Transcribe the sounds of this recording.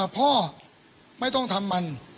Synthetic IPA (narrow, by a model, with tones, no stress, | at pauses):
pʰɔː˥˩ | ma˥˩jt̪ɔ˥˩ŋt̪ʰa˧mːa˧n